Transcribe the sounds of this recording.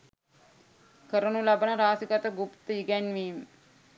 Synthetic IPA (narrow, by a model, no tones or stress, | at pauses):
kəɾənulabənəɾaːsikat̪əɡupt̪əiɡænʋiːm